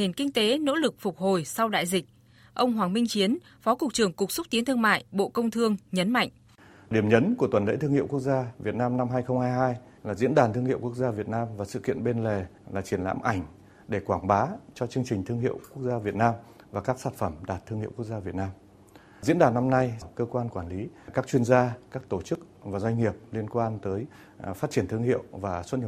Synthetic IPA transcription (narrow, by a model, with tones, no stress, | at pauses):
e˨˩nkï˧ŋ̟t̪e˨˦no̰˧˥lɨ˨˩k̚fʊ˨˩k͡p̚ho˨˩jsa˧wɗa̰ː˧˨jzï˨˩k̚ | ʔə˧wŋ͡mɦwaː˨˩ŋmï˧ŋ̟t͡ɕi˨˦ən | fɔ˨˦kʊ˨˩k̚t͡ɕɨ˨˩əŋkʊ˨˩k͡p̚sə˦˥k͡p̚t̪i˨˦ənt̪ʰɨ˧ə˧ŋma̰ː˧˨jɓo̰˧˨kə˧wŋ͡mt̪ʰɨ˧əŋɲə˨˦nma̰˧˨jŋ̟ | ɗi˧˩əmɲə˨˦nku˧˩ət̪wə˨˩nlḛ˧˥t̪ɨ˧ŋhḭ˧˨əwku˦˥k̚zaː˧vi˨˩ət̚naː˧mna˧mɦaː˧jxə˧wŋ͡mhaː˧jɦaː˧j | laː˨˩zḭ˧˥ənɗaː˨˩nt̪ɨ˧əŋhi˧˨wku˦˥ək̚zaː˧vi˨˩ət̚naː˧mvaː˨˩sɨ̰˧˨kḭ˧˨ənɓe˧nle˨˩ | laː˨˩t͡ɕi˧˩ənla̰ː˧˥mʔa˧˩jŋ̟ | ɗe˧˩kwaː˧˩ŋɓaː˨˦t͡ɕɔ˧t͡ɕɨ˧əŋt͡ɕï˨˩ŋ̟t̪ʰɨ˧əŋhḭ˧˨əwku˦˥ək̚zaː˧vi˨˩ət̚naː˧mvaː˨˩kaː˦˥k̚saː˦˥nfə˧˩mɗaː˨˩t̚t̪ʰːɨ˧əŋhḭ˧˨wku˦˥ək̚zaː˧vi˨˩ət̚naː˧m | zḭ˧˥ənɗaː˨˩na˧mna˧jkəː˧kwaː˧nkwaː˧˩nli˨˦kaː˦˥k̚t͡ɕwi˧ənzaː˧kaː˦˥k̚t̪o˧˩t͡ɕɨ˦˥k̚ | vaː˨˩zwa˧jŋ̟ŋi˨˩əp̚li˧ənkwaː˧nt̪əː˨˦j | faː˦˥t̚t͡ɕi˧˩ənt̪ʰɨ˧əŋhḭ˧˨əwvaː˨˩swə˦˥t̚hi˨˩